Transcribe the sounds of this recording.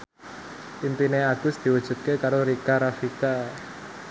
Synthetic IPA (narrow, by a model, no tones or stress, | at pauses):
impineaɡ̥ʊ̤sd̪̥i̤wud̥ʒ̥ṳt̪̚kekaɾoɾikaɾafika